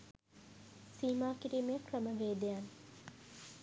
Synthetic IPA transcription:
siːmaːkiɾiːmejəkrəməʋeːd̪ejan

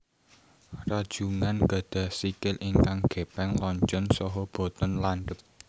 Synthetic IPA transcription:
rad̥ʒ̥ṳŋanɡ̥ä̤d̪̥ä̤hsikɪlʔiŋkaŋɡ̥e̤pɛŋlɔɲt͡ʃɔnsɔɦɔb̥o̤t̪ɔnlanɖəp̚

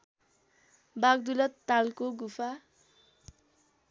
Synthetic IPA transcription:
baɡ̚d̪ulʌt̪ːalkoɡupʰa

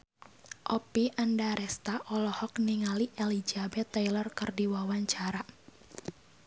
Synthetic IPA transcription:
ʔɔpiʔandaɾʔɛst̪aʔɔlɔhɔkniŋaliʔelid͡ʒabɛt̪ːajlɔrkərdiwawaɲt͡ʃaɾa

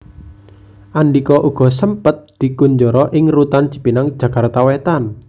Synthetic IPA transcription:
ʔaɳɖikɔʔuɡ̥ɔ̤səmpət̪̚d̪̥i̤kuɲd͡ʒɔɾɔʔɪŋrut̪an̥t͡ʃi̥pinaŋd̥ʒ̥a̤kart̪awet̪an

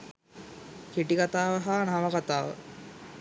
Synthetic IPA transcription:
kiʈikat̪aːʋəɦaːnaʋəkat̪aːʋə̰

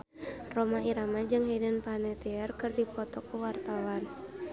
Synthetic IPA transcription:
rɔmaiɾamad͡ʒɨŋɦedənpanɛt̪ɛɛrkɨrdipɔt̪ɔkuwart̪awan

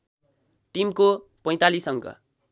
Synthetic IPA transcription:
ʈimko | pʌ̃j̃t̪alisʌŋɡʌ̰

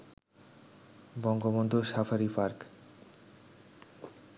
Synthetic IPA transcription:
bɔŋɡobond̪ʱoʃafʰaɾifaɾk

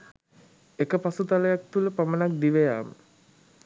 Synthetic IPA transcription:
ekəpasut̪aləjak̚t̪uləpamənak̚d̪iʋejaːmə

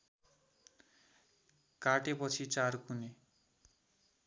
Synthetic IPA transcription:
kaʈepʌt͡sʰit͡sarkune

